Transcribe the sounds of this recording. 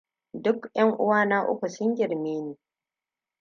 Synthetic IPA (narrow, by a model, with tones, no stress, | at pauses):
dʊ˦kjɐ˦ŋʔʊ̰˦waː˦na˦ʔʊ̰˦kʷu˨sʊ˦ŋɡʲɪ˨ɾmeː˦neː˨